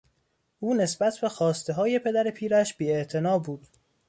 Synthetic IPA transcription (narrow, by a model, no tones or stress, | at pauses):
ʔuːne̞sbæt̪ʰbe̞xɒːst̪e̞ɦɒːje̞pʰe̞d̪æɾe̞pʰiːɾæʃb̥iːeʔt̪ʰe̞nɒːbuːd̪̥